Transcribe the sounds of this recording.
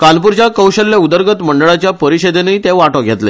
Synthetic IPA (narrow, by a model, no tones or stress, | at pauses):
kalpuɾt͡ɕjakəwɕəlːjaud̪əɾɡət̪məɳɖəɭat͡ɕjapəɾiɕed̪enəit̪eʋaʈɔɡʱet̪le